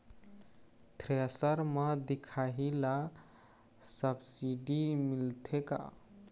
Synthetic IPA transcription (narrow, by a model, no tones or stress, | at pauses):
t̪ʰɾesəɾməd̪ikʰaɦila | səbsiɖimilt̪ʰeka̰